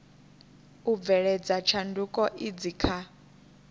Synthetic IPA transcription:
ub̪vɛɺɛd͡zat͡ʃʰandukʼɔʔid͡zikʰa

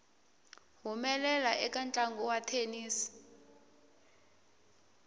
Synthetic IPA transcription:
ɦumɛlɛlaʔɛkant͡ɬʼaŋɡɔwatʰeniːsi̥

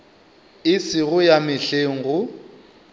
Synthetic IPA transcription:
ɪsɪɣʊjamɪɬeŋ̩ɣʊ

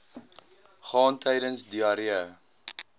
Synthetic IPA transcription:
χɑːntʰɛjdənsdiɑɾiə

